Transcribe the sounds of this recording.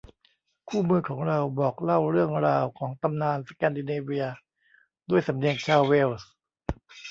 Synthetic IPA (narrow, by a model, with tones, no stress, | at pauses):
kʰuː˥˩mɯː˧kʰɔː˩˦ŋɾa˧wbɔː˨˩k̚la˥˩wɾɯ˥˩əŋɾaː˧wkʰɔː˩˦ŋt̪a˧mnaː˧nsa˧kɛː˧ndi˧neː˧wi˧ɐ | du˥˩əjsa˩˦mdi˧əŋt͡ɕʰaː˧˥˩wwe˥˩ws